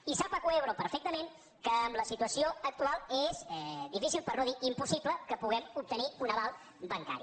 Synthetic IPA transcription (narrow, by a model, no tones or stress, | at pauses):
isapəkueβɾopəɾfɛk̚t̪əmeŋ | kəːmləsit̪uəsioək̚t̪ualˠezɛd̪ifisilˠpərnoðiʔimpusipləkəpuɣ̞ɛmup̚t̪əniunəβalˠ | bəŋka̰ɾḭ